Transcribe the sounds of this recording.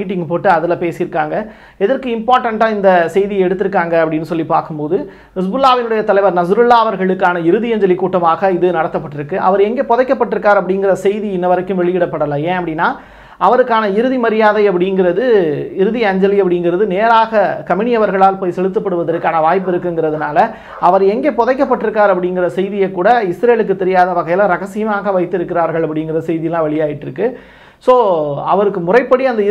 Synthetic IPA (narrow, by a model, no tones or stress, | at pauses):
iːʈ̬ːɪŋɡpoːʈːɯɐðɪlɐpeːsɪɪɾɯkːaːŋɡɐ | ɛðɐɾkɯɪmpaːɾʈɐɳʈaːɪnd̪ɐsɛjðɪjɐɛɽɯt̪ːɯɾɯkːaːŋɡɐɐpːɐɽɪnːɯsɔlːipaːɾkɯmpoːðɯ | ɪs̬bɯlːaːʋɪnɯɽɐjɐt̪ɐlɐɪʋɐɾnɐs̬ɾɯlːaːɐʋɐɾɣɐɭɯkːaːnɐɪɾɯðɪɐɲd͡ʒɐlɪkːuːʈːɐmaːɣɐɪðɯnɐɽɐt̪ːɐpːɐʈːɪɾɯkːɯʔɐ̰ʋɐɾɛŋɡeːpɔðɐɪkːɐpːɐʈːɪɾɯkːaːɾɐpːɐɽɪŋɡɪɾɐsɛjðiɪnːɐʋɐɾɐkːɯmʋɛɭɪjɪɽɐpːɐɽɐlɐẽːɐpːɐɽɪnːaː | ʔɐʋɐɾɯkːaːnɐɪɾɯðimɐɾɪjaːðɐɪɐp̬ːɐɽɪŋɡɪɾɐðɯɪɾɯðiɐɲd͡ʒɐlɪɐpːɐɽɪŋɡɪɾɐðɯneːɾaːɣɐkɐmɪɳɪjɐʋɐɾɣɐɭaːlpoːjsɛlɯt̪ːɯpːɐɽɯʋɐðɐɾɯkːaːnɐʋaːjp̬ːɪɾɯkːɯŋɡɪɾɐðɯnaːlɐ | ɐʋɐɾɛŋɡeːpɔðɐɪkːɐpːɐʈːɪɾɯkːaːɾɐp̬ːɐɽɪŋɡɪrɐsɛjðɪjɐɪkːuːɽɐɪsɾeːlɯkːɯt̪ːɛɾɪjaːðɐʋɐɣɐɪjɪlɐ̃ɾɐɣɐsijɐmaːɣɐʋɐɪt̪ːɪɾɯkːɪɾaːɾɣɐɭɐpːɐɽɪjŋɡɪrɐsɛɪðɪjɐlãːʋɛɭɪjaːjɪʈːɪɾɯkːɯ | soːɐ̰ʋɐɾɯkːɯmʊrɐɪpːɐɽiɐnd̪ɐɪ